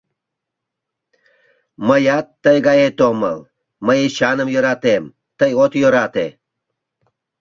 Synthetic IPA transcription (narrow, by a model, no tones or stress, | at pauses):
məjat̪ːəjɡajet̪omə̰l | məjiɕanəmjəɾat̪em | t̪əjot̪joɾat̪e